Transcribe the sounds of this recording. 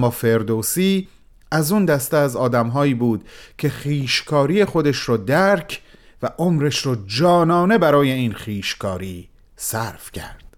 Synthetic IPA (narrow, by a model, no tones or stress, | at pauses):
mːɒːfe̞ɾd̪osiː | æzund̪æst̪eæzɒːd̪æmɦɒːiːbuːd̪̥cʰe̞χiːʃkʰɒːɾije̞xo̞d̪eʃɾɔːd̪æɾcʰvæʔomɾeʃɾɔːd͡ʒɒːnɒːne̞bæɾɒːje̞iːnχiːʃkʰɒːɾiː | sæɾfcʰæ̰ɾd̪̥